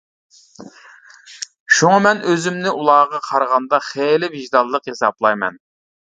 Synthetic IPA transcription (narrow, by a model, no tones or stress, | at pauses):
ʃuŋɑmɛnøzɪmnɪʔulˠɑːʁɑqʰɑɾʁɑnd̪ɑχelɪviʒd̪ɑlˠːəqhesɑblˠɑjmɛ̰n